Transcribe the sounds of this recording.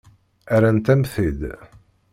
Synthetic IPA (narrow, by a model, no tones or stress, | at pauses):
æɾænt̪æmθid̪